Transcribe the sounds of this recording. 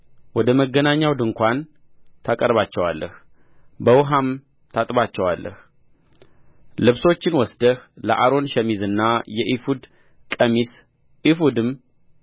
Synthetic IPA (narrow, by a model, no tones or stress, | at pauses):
wɔd̪əməɡːənaɲːawd̪ɨŋkʷan | t̪ʰakʼəɾβat͡ʃːɛwalːʔəh | bəwɦam | t̪ʰat̪ʼbat͡ʃːɛwalːə̰h | lɨβso̞t͡ʃːɪnwɔsd̪əhləʔaɾo̞nʃɛmizɨnːajɛʔifud̪ | kʼəmis | ifud̪ɨm